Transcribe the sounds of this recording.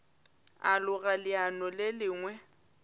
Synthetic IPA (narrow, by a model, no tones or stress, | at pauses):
alʊɣalɪanɔlɪlɪːŋwɛ